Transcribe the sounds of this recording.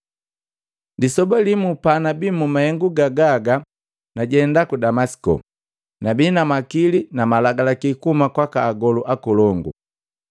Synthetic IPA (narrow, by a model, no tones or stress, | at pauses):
disɔbalimupanabiːmumahɛŋɡuɡaɡaɡa | naɟɛndakudamasi̥kɔ̰ | nabiːnamakilinamalaɡalakikumakwakaːɡɔluʔakɔlɔŋɡṵ